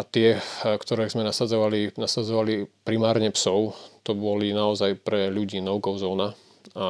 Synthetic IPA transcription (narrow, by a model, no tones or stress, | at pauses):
at̪ɪɛkt̪ɔɾɛːzmɛnasad͡zɔʋalinasad͡zɔʋalipɾimaːɾɲɛpsɔʊt̪ɔbɔlinaɔzajpɾɛʎuɟiːnɔʊɡɔʊzɔːna | a